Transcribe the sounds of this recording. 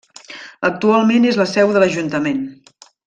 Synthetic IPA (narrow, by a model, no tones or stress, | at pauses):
ək̚t̪ualˠmenezləsɛwðələʒunt̪əmen